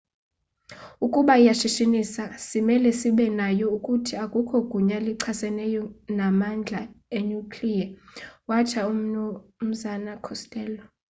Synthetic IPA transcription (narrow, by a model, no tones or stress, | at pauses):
ukʼuɓaijaʃiʃinisasimɛlɛsiɓɛnajɔukʼutʰiakʼukʰɔɡ̥ʱuɲaliǀʰasɛnɛjɔnamand͡ɮʱaeɲukʰlijawat͡ʃʰaum̩m̩zanakʰɔstʼɛːlɔ